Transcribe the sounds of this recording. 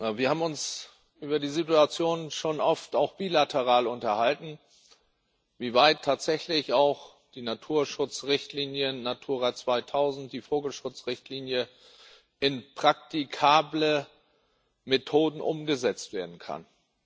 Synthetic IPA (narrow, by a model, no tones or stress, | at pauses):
viːɐhaːbm̩ʊns | ʔyːbɐdiːzituat͡sjoːnʃoːnʔɔftaʊxb̥iːlatʰəʁ̞aːlʊntɐhaltn̩ | viːvaɪtʰːaːtz̥ɛçlɪçaʊx | d̥iːnatʰuːɐʃʊt͡sʁɪçtʰliːnjənatʰuːɐʁat͡sv̥aɪtʰaʊzn̩t̚d̥iːfoːɡl̩ʃʊt͡sʁɪçtliːnjə | ʔɪnpʁ̥ak̚tikʰaːblə | metʰoːdn̩ʔʊmɡəzɛt͡stv̥eːɐdn̩kʰa̰n